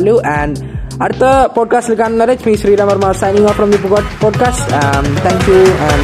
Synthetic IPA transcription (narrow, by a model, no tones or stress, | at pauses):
ljuʔɛ̃ɳ | ɐɾt̪əpɔːɖ̚kasʈlikãnnɐɾet͡ʃmĩsɾiːɾãmɐɾmasãjnĩŋɔfɾɔ̃md̪ipuɡɔʈpɔːɖ̚kaːsʈmt̪ʰɛ̃ŋkjuɛ̃n